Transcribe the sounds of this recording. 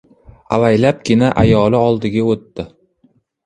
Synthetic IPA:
avajlap̚ɡʲɪnaʔa̰jɒlɪɒlˠd̪ɪɡʲaot̪ːɪ

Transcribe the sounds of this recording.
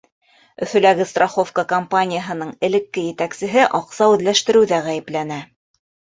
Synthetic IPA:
ɵ̰̆θɵ̆læɡɘst̪roχo̞fkəkɐmpanʲɪjəɦɤ̆nɤɴɘ̆lɘ̆kːɘjɘ̆t̪æksɘ̆ɦɘʔɑqsɑwɘ̆ðlæʃt̪ɘ̆ɾɘ̆wðæʁæjɘ̆plænæ

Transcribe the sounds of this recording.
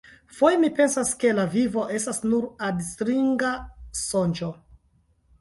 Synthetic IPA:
fo̞jemipe̞nsaske̞lavivo̞ʔe̞stasnuɾadstɾiŋɡaso̞nd͡ʒo

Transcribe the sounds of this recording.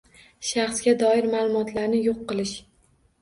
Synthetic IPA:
ʃɑχsɡʲad̪ɒɪɾmaːlˠʊmɒt̪laɾnɪjoqːɨlˠɪʃ

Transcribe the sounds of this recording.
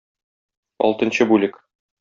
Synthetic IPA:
ɒ̰lˠt̪ɤ̆nɕɤbulʲɘk

